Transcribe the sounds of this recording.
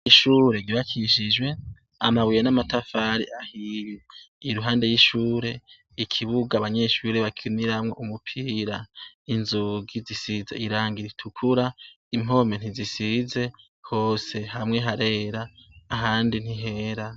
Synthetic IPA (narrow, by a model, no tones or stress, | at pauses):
iʃuːɾe̞iβakʰiʃid͡ʒwe̞ | a̰maβwijenamatafaɾiʔahijiː | ɾuɦaːnde̞jiʃuːɾe̞ | ikʰiβuɡaβaɲe̞ʃuɾe̞βakʰiniɾamŋoʔumupʰiːɾainzuɡizisizḛiɾaːŋɡiɾitʰukʰuɾa | imo̞ːmen̥izisize̞ | ho̞ːse̞ɦamŋe̞ɦaɾe̞ːɾaːɦaːndin̥iɦe̞ɾa